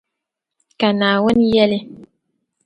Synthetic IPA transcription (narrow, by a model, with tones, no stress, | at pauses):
ka˨naː˨wɔ˦n˦jɛ˦le˦